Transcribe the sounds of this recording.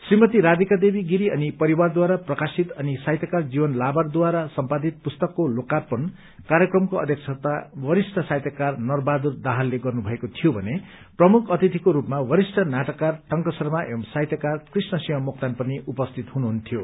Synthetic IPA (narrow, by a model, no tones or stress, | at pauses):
srimʌt̪iɾad̪ikad̪ebiɡiɾiʌnipʌɾiward̪waɾaprʌkasit̪ʌnisajt̪jakard͡zibʌnlabard̪waɾasʌmpad̪it̪̚pust̪ʌkːolokarpʌn | kaɾjʌkrʌmkoʌ̰d̪ʱjekt͡sʰʌt̪awʌɾisʈʰʌsajt̪jʌkarnʌrbad̪urd̪aɦalːeɡʌrnubʱʌekot̪ʰijobʱʌ̰ne | prʌmukʰʌt̪it̪ʰikoɾupmawʌɾisʈʰʌnaʈʌkːarʈʌŋkʌsʌrmaʔemsajt̪jʌkarkrisnʌsiɦʌ̃muk̚t̪anpʌniʔupʌst̪ʰit̪ɦunuɦunt̪ʰijo